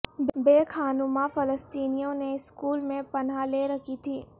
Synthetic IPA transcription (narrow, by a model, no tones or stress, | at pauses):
bbeːkʰaːnʊmafɐləst̪iːnijõneɪskuːlmẽpɐnɦaleɾɐkʰit̪ʰiː